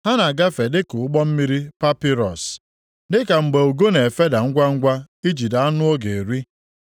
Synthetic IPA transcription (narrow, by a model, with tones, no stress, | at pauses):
ha˦na˨ɡa˦fe˨dɪ˦kʊ˨ʊ˦ɡ͡bɔ˦m̩˦mi˦ɾi˦pa˦pi˦ɾɔ˨s | dɪ˦ka˨ŋ͡m̩˨ɡ͡be˨u˨ɡo˦ne˨fe˦da˨ŋ̩˦ɡʷa˦ŋ̩˦ɡʷa˦ | i˦d͡ʒi˨da˨a˦nʊ˦o˦ɡe˨ɾi˦